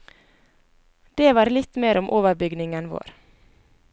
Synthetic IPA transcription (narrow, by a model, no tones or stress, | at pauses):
d̪eːʋɑːɾlɪt̪meːɾʊmʔoːʋəɾbʏɡnɪŋənʋo̰ːɾ